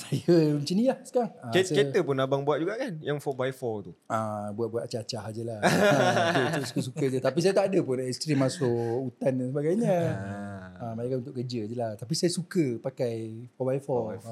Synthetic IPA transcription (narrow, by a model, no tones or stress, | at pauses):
sajət͡ʃəniahsə̥kaŋəket̪əpʊnabaŋbuat̪̚d͡ʒuɡaʔkanjaŋfɔbajfɔt̪uabuat̪̚buat̪̚t͡ʃat͡ʃaɦad͡ʒəlah | ət̪su̥kəs̬ukəd͡ʒət̪apisajət̪aːdəpʊnɛst̪ɾimasʊʔut̪andansəbaɡajɲə̃ | əmaɲakanunt̪ʊʔkərd͡ʒəd͡ʒəlaht̪apisajəsukəpakajfɔbajfɔ